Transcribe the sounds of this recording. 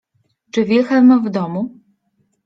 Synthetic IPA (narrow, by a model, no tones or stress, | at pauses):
t͡ʂɨvʲjɛxamavd̪ɔmu